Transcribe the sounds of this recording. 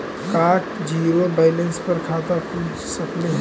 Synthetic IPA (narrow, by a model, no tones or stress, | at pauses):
kaːʈd͡ʒiːɾobaːɪlə̃nspɐɾkʰaːt̪akʰud͡ʒsɐkleɦ